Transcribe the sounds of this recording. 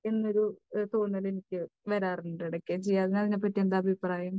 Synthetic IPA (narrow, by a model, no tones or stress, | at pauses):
e̞nːo̞ɾut̪oːɳːɐle̞nikʲːɨʋɐɾaːruɳɖeɽɐkʲːeːmt͡ɕejːaːðenːɐðinep̬ːɐtːiend̪aːbʱipraːjɐm